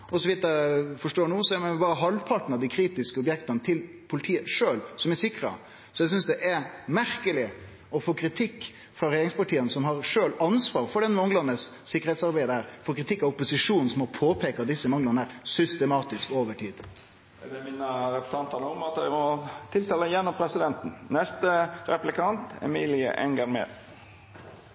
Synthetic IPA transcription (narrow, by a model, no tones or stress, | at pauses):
ɔsɔʋiːd̪əɾəfɔʂʈoːɳuːsɛːmɛbɑːɾəɦɑlpʰɑʈn̩ɑd̪iɪkʰɾiːt̪ɪskəʊbjɛkt̪ənət̪ʰɪl | pʰʊlɪt̪ʰiːəʂøːlsɔmɛsɪkɾə̰ | sɔjɛs̬ʏnsd̪ɛʔɛmæɾkəlɪ | ɔfoːkʰɾɪt̪ʰɪkː | fɾɑɾɛjeɾɪŋspɑʈʰiːənsɔmɦɑɾʂøːlɑnsʋɑːɾfɔɖɛnmɔŋlɑnəsːɪkːəɾhɛɪt̪sɑɾbæɪd̪əhæːɾfoːkɾɪt̪ʰɪkːɑʋʊpːʊsɪʂuːnn̩sɔmɔpʰoːpʰeːkɑt̪d̪ɪsːəmɑŋːlɑnəæːɾsʏst̪ɛmɑːt̪ɪskoːʋəʈʰiːd̪ | d̪ɛmiːnəɾɛpə̥st̪ʰɑnt̪ənəʊmɑt̪jæɪmɔt̪ʰɪlst̪ɛlːəjɛnːɔmpʰɾɛsɪd̪ɛnt̪n̩nɛst̪əɾɛplɪkʰɑnt̪ɛ̰miːlɪə̰ʔɛ̰nɡɑŋmḛːd̪